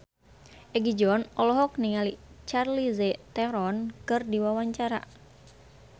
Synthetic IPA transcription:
ʔɛɡid͡ʒɔnɔlɔɦɔk̚niŋalit͡ʃarlizɛt̪ɛɾɔnkɨrdiwawaɲt͡ʃaɾa̰

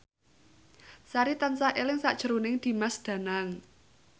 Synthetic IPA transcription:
saɾit̪ansaʔelɪŋsaʔd̥ʒ̥ə̤ɾunɪŋd̪̥i̤masd̪̥a̤naŋ

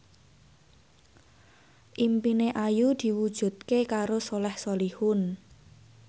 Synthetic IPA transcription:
ʔimpineʔajud̪̥i̤wud̥ʒ̥ṳt̪̚kekaɾosolɛhsolihʊn

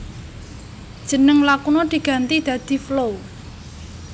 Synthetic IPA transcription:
d̥ʒ̥ə̤nəŋlakunod̪̥i̤ɡ̥ä̤nt̪id̪̥ä̤d̪̥i̤flow

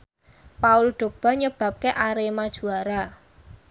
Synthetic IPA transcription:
paʊlɖ̪̥o̤k̚b̥a̤ɲəb̥a̤p̚keʔaɾemad̥ʒ̥ṳaɾa

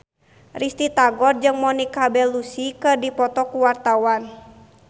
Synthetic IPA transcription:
rist̪it̪aɡɔrd͡ʒɨŋmɔnikabɛlusikərdipɔt̪ɔkuwart̪awan

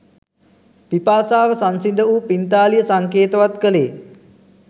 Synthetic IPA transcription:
pipaːsaːʋəsansind̪əuːpint̪aːlijəsaŋkeːt̪ɐʋat̪kəleː

